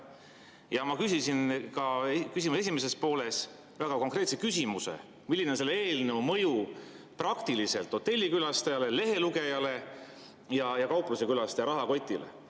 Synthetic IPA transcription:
jɑmɑkysisinkɑekys̬ʲimuse̞s̬imese̞spo̞ːle̞s | væɡ̥ɑko̞ŋkˑre̞ːt̪sekysimuse̞̰ | milːinense̞lːeeːlneumɤ̞ju | prɑkt̪ilise̞̰lt̪ːˑo̞t̪ːe̞lʲːikylɑst̪ɑjɑle̞le̞ɦe̞luɡe̞jɑle̞ | jɑjɑkɑwpluse̞kylɑst̪ɑjɑɾɑɦɑko̞t̪ʲːˑilḛ

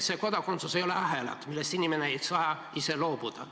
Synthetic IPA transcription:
seko̞d̪ɑko̞nt̪susejo̞leɑɦelɑ̰t̪milːest̪inimeneejsɑjɑ | ise̞lo̞ːbud̪̥ɑ̰

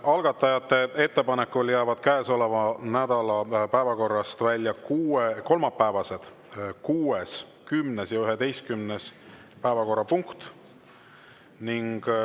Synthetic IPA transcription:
ʔɑlɡ̥ɑt̪ːˑɑjɑt̪ːe̞e̞t̪ːe̞pɑnekːuljæːvɑd̪̥kæːso̞levɑnæd̪̥ɑlɑpæevɑko̞rːɑst̪vælʲːjɑkuːeko̞lmɑpːæːvɑse̞d̪̥ | kuːeskymnesjɑyɦe̞d̪e̞jst̪kymnes | pæevɑko̞rːɑpuŋkt̪ | niŋɡ̥

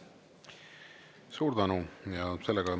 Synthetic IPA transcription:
suːɾd̪̥ænujɑse̞lːeɡ̥ɑ

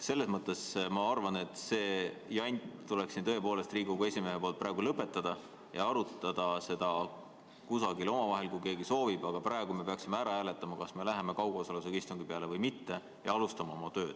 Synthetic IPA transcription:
se̞lːe̞smɤt̪ːˑe̞smɑɑrvɑne̞t̪ːˑse̞ː | jɑnʲt̪ule̞ksint̪ɤ̞epo̞ːle̞st̪riːɡukue̞sʲime̞ɦepoːlt̪̚pːɾæeɡulɤpːˑe̞t̪ːˑɑd̪̥ɑ | jɑɑɾut̪ːˑɑd̪̥ɑse̞d̪̥ɑ | kusɑɡilo̞mɑvɑɦe̞lkujke̞ːɡiso̞ːvib̥ɑɡ̥ɑprɑˑeɡ̥ume̞pe̞ɑksimeæɾɑæːlet̪ːˑɑmɑkɑsme̞læɦe̞me̞kɑwɡ̥osɑlus̬ekist̪uŋɡ̥ipeɑle̞vɤjmit̪ːe̞ | jɑɑlust̪ɑmɑomɑt̪ø̞ːd̪̥

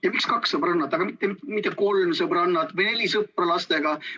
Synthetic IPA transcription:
jɑmikskɑksɤbrɑnːɑt̪ːˑɑɡ̥ɑmit̪ːemt̪mit̪ˑːeko̞lmsɤbrɑnːɑt̪vɯjne̞lʲisɯprɑlɑst̪e̞ɡɑ

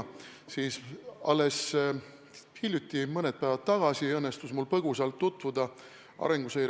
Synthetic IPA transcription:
siːsɑ̰lːe̞s | hilʲjut̪ʲˑːimɤnet̪̚pæjvɑt̪̚t̪ːɑɡ̥ɑsiɤnːe̞st̪usmulpɤɡ̥usɑlt̪ːut̪ˑvud̪ɑ | ɑ̰ɾe̞ŋɡ̥usejɾ

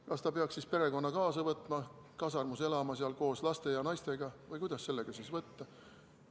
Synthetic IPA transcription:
kɑst̪ɑpeɑksispe̞ɾe̞ko̞nːɑkɑːsɑvɤt̪ːˑmɑ | kɑsɑrmuse̞lɑmɑseɑlko̞ːslɑst̪e̞jɑnɑjst̪e̞ɡ̥ɑvɯjkujd̪ɑsːe̞lːeɡ̥ɑsisvɤt̪ːɑ

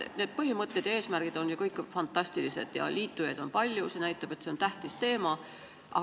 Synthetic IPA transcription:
ne̞d̪̚pɤɦimɤt̪ˑːed̪̥e̞ːsmærɡ̥id̪̥o̞njɑkɤjkːˑfɑnt̪ːˑɑsʲt̪ilise̞̰d̪̥jɑ̰liːt̪ːˑujɑd̪̥o̞npɑlʲjuse̞næjt̪ːˑɑb̥e̞t̪se̞o̞nt̪æht̪ist̪e̞ːmɑ | ʔɑ̰

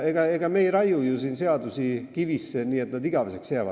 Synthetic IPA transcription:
eɡ̥ɑeɡ̥ɑme̞ijrɑjujusiːnse̞ɑd̪usikivisːeniːe̞t̪nɑd̪iɡ̥ɑvese̞ksjeæːʋɑ̰d̥̪

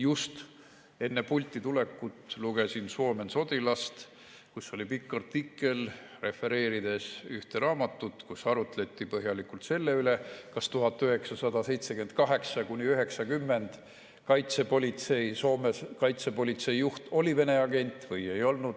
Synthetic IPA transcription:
just̪ | e̞nːepulʲt̪ʲˑːit̪ule̞kːut̪luɡ̥e̞sinso̞ːme̞nso̞t̪ilɑst̪ | kusːo̞lʲipikːɑrt̪ikːˑe̞lre̞fe̞ɾe̞ːɾid̪e̞syht̪e̞ɾɑːmɑt̪ːut̪kusɑɾut̪le̞t̪ːˑipɤɦjɑlikult̪se̞lːe̞ylekɑst̪uɦɑt̪ːˑøɦe̞ksɑsɑd̪ɑse̞jt̪sekyend̪̚kɑɦe̞ksɑkunʲiøɦe̞ksɑkymːe̞nd̪̥ | kɑjt̪sepo̞lʲit̪se̞jso̞ːmeskɑjt̪se̞po̞lʲit̪se̞jjuht̪o̞live̞ne̞ɑɡe̞nʲt̪ˑvɤje̞jo̞lnud̪̥

